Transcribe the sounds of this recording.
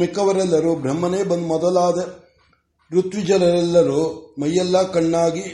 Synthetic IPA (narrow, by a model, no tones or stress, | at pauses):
mikɐʋɐɾɛlːɐɾuːbɾɐmːɐneːbɐnd̪mɔd̪ɐlaːd̪ɐ | ɾut̪ʋid͡ʒɐlɐɾɛlːɐɾuːmɐjːɐlːaːkɐɳːaːɡi